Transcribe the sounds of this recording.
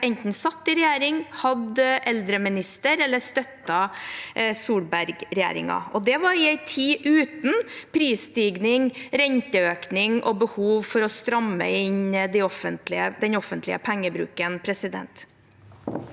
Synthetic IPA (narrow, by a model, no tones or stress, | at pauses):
ɛnt̪n̩sɑt̪ːɪɾɛjæːɾɪŋhɑd̪ʔɛld̪ɾəmɪnɪst̪əɾɛlːəst̪œt̪ːɑ | suːlbæɾɡɾɛjæ̰ːɾɪ̰ŋɑ̰ɔd̪ɛʋɑɾɪæɪt̪ʰiːʔʉːt̪n̩pʰɾiːst̪iːɡnɪŋɾɛɲt̪əøːknɪŋʔɔbəhuːʋfɔɾɔst̪ɾɑmːə̰ɪɲd̪æɪɔfənt̪lɪəd̪ɛnɔfənt̪lɪ̰ə̰pʰæŋːəbɾʉ̰ːkənpʰɾɛsɪd̪ɛ̰nt̪